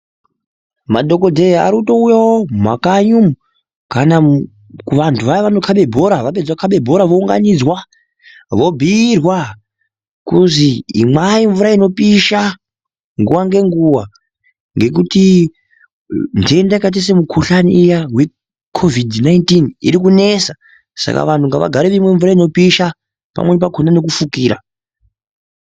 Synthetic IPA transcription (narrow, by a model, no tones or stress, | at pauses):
madʱo̞ko̞dʱea̰ɾuto̞ujawoma̰kaɲum | kana | kuʋantʰuʋaʋanokʰaɓe̞bʱo̞ɾaʋap̬ed͡zwakʰaɓe̞bʱo̞ɾaʋouŋɡa̰nid͡zwa | ʋo̞bʱiːrwa | kuzḭːmaiɱvuɾaino̞piʃa | ŋɡuʋaŋɡe̞ŋɡuʋa | ŋɡe̞k̬uti | ndendakat̬es̬emukʰuɬaniːjawe̞ | kʰo̞vidʱnaintinḭɾikune̞sa | sa̰ka̰ʋantʰuŋɡaʋa̰ɡʱaɾeʋimwe̞ɱvuɾaino̞piʃa | pa̰mwe̞nip̬akʰonane̞kufukiːɾa̰